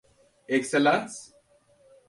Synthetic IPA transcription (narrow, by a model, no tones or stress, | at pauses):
ekselans